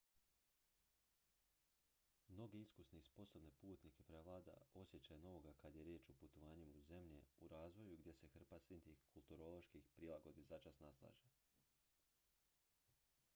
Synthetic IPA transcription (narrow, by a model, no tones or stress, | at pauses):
mno̞ɡe̞iskusneispo̞so̞bne̞puːt̪nike̞pɾeʋlˠaːd̪a̰o̞sje̞t͡ɕajeno̞ʋo̞ɡakad̪je̞ɾjeːt͡ʃoput̪o̞ʋaːɲimauze̞mʎe̞uɾaːzʋo̞juɡd̪ʲje̞se̞xr̩pasint̪ixkʰulˠt̪uɾo̞lˠo̞ʃkixpɾilˠaɡo̞d̪izat͡ʃasnaslˠa̰ːʒe